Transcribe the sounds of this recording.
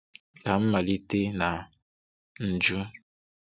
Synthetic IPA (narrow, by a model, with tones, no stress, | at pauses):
ka˨m̩˦ma˨li˦te˦na˨ | n̩˨d͡ʒu˦